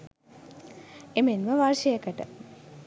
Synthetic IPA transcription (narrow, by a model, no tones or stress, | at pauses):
emenməʋarʃəjəkəʈə̰